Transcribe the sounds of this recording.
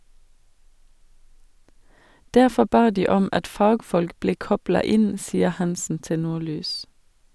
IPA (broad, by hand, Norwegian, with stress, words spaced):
ˈdæʁfɔ ˈbɑː ˈdiː ˈɔm ˈɑt ˈfɑːɡfɔlk ˈbleː ˈkɔblɑ ˈɪn ˈsiːəʁ ˈhɑnsn̩ ˈtɪ ˈnuːˌlyːs